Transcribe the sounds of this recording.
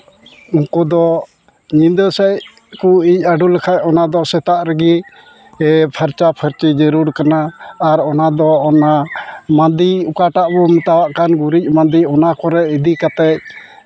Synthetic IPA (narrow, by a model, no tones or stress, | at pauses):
uŋkɔd̪ɔ | ɲind̪əsɛc | kuic̚aɖulɛkʰac̚ɔnad̪ɔsɛt̪aʔɾəɡi | pʰəɾt͡ʃapʰəɾt͡ʃid͡ʒəɾuɾkanaːɾɔnad̪ɔːnamand̪iukaʈaʔbɔmɛt̪awaʔkanɡuɾic̚mãnd̪iɔnakɔɾɛid̪ikat̪ɛc̚